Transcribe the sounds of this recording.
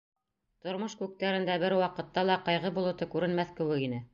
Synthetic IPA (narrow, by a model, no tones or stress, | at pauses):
t̪ŏɾmɤʃkʉk̚t̪æɾɘ̆nd̪æbɘɾwɑqɤ̆t̪ːɑlˠɑqɑjʁɤbulˠɤ̆t̪ɤkʉɾɘ̆nmæθkɘ̆wɘɡinɘ